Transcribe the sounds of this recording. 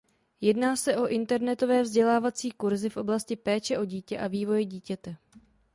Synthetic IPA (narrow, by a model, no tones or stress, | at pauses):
jɛdnaːsɛʔo̞ʔɪnt̪ɛɾnɛt̪o̞vɛːvzɟɛlaːvat͡siːkuɾzɪfʔo̞blascɪpɛːt͡ʃɛʔo̞ɟiːcɛʔaviːvo̞jɛɟiːcɛt̪ɛ